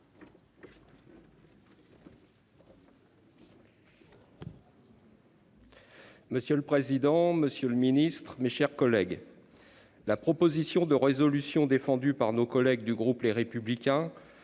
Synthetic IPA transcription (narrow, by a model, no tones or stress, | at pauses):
məsjøləpχezid̪ɑ̃məsjələminist̪χmeʃɛʁkɔlɛɡ | lapχɔpozisjɔ̃d̪əʁezɔlysjɔ̃d̪efɑ̃d̪ypaʁnokɔlɛɡd̪yɡʁupleʁepyblikʲɛ̃